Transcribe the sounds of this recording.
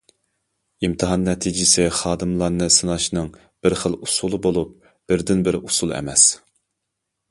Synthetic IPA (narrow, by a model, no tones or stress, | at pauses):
imt̪ʰɨɦɑnːɛt̪ʰid͡ʒɪsɪχɑːd̪ɨmlˠɑɾnɨsɨnɑʃnɨŋ | b̥ɪɾχəlˠusulˠɨbolˠup̚ | b̥ɪɾd̪ɪnbɪɾusulˠɛ̰mɛs